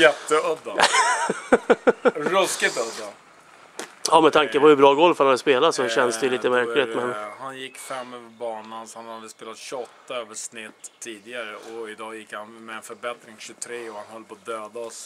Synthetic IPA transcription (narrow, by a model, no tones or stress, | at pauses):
jɛt̪ːəœd̪ːa | ɾɵskɪt̪œd̪ːa | ɑːmɛt̪ʰaŋkəpɔhɵbɾɑːɡɔlːfœɾanad̪ːəspeːlat̪sɔɕɛnːsd̪ɛjʏliːt̪əmæɾkɪt̪mɛnhanjɪkːfɛmːøːvəɾbɑːɳansɔhanhad̪əspeːlat̪ɕʏɔt̪ːaøːvəʂnɪt̪ʰːiːd̪ɪɡaɾəʔɔɪd̪ɑːjɪkːhanmɛɛnfœɾbɛt̪ɾɪŋɕɵt̪ʰɾeːɔhanhœlːpʰɔd̪øːd̪aɔs